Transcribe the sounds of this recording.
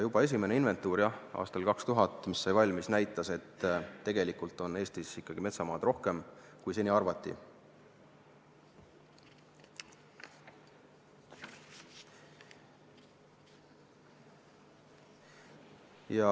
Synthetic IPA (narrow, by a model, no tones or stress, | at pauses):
jub̥ɑe̞s̬ʲime̞neinve̞nt̪ːˑuːɾjɑɑ̰ːst̪ɑlkɑkst̪uɦɑt̪ːˑmisːɑjvɑlʲmisnæjt̪ːˑɑse̞t̪ːe̞ɡ̥e̞likult̪ˑo̞ne̞ːst̪isikːɑɡ̥ime̞t̪sɑmɑːd̪̥ro̞hke̞mkujsenʲiɑrvɑt̪ˑːḭ | jɑ